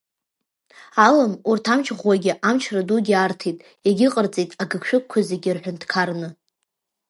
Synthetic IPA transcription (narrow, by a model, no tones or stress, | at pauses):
alamurtʰamt͡ʃʰʁwaɡʲɪʔamt͡ʃʰradudʲiartʰijtʼ | eɡʲɪqʼərt͡sʼejtʼaɡɨkʰʃᶣʊkkʷʰːazeɡʲɪrħʷᶣʊndkʰarnɨ